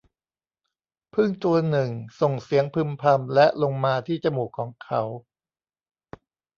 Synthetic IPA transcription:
pʰɯ˥˩ŋt̪u˧ɐnɯ˨˩ŋso˨˩ŋsi˩˦əŋpʰɯ˧mpʰa˧mlɛ˦˥ʔlo˧ŋmaː˧t̪ʰiː˥˩t͡ɕa˨˩muː˨˩kʰːɔː˩˦ŋkʰa˦˥w

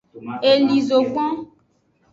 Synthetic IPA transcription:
e˨li˨zo˨ɡ͡bɔ̃˦

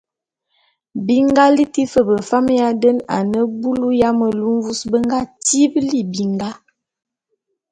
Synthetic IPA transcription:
bi˦ŋɡa˦li˦ti˦fə˨bə˨fa˦m˦ja˦də˦na̰˨nə˦bu˦lu˦ja˦mə˨lu˦m˦vu˦sbə˦ŋ˦ɡa˦ti˦bli˦bi˨ŋɡa˦

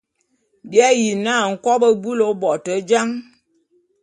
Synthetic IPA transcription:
bi˦a˦ji˨na˦˨ŋ̩˨kɔ˦bə˦bu˦lo˨˦bɔ˨tə˨˦d͡ʒa˦ŋ

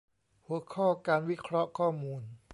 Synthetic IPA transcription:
hu˨˩˦ɐkʰɔː˥˩kaː˧nwi˦˥kʰɾɔ˦˥ʔkʰɔː˥˩muː˧n

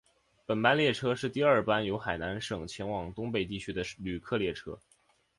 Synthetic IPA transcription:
pə˨˩npa˥nljɛ˥˩ʈ͡ʂʰɤ˥ʂɻ̩˥˧t̪i˥˧ɐ˞˥˩pa˥njo˧˥ʊxa˨˩ɪna˧˥nʂɤ˨˩ŋt͡ɕʰjɛ˧˥nwɑ˨˩ŋt̪ʊ˥ŋpe˥˩ɪt̪̬i˥˩t͡ɕʰy˥d̪ə˨˧ly˨˩kʰɤ˥˧ljɛ˥˩ʈ͡ʂʰɤ̰˥

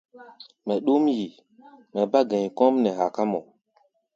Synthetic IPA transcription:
mɛ˨ɗu˦mji˨ | mɛ˨ba˦ɡɛ̃˨ɲ˨kɔ̃˦mnɛ˨ɦa˨ka˦mɔ˨

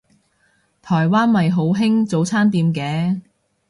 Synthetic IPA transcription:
t̪ʰɔː˨˩jwaː˥nmɐ˨jɦo˨˥wɦɪ˥ŋt͡so˨˧wt͡sʰaː˥nt̪iː˨˧mkɛː˨˥

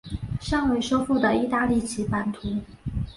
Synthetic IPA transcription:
ʂɑ˥˩ŋwe˧˥ɪʂo˥ʊfu˥˩d̪ə˩i˥˧t̪a˥˧li˥˩t͡ɕʰi˧˥pa˨˩nt̪ʰu˧˥

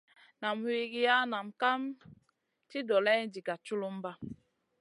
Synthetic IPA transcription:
na˨mwi˦ɡi˦ja˦na˨mka˦m | ti˦dɔ˨la˦jdi˨ka˨t͡ʃu˦lu˦m˦ba˦

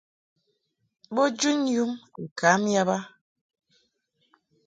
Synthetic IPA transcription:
ɓo˦d͡ʒu˦nju˦mŋ̩˨ka˨˦m˦ja˦ba˦

